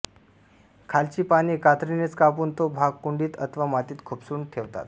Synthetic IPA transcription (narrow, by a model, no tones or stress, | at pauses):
kʰalt͡ɕiːpaɽ̃iːkat̪ɾinet͡skapuːnt̪obʱaɡ̚kuɳɖiːt̪ə̰t̪ʰʋamat̪iːt̪kʰupsuːɳt̪ʰeʋt̪a̰t̪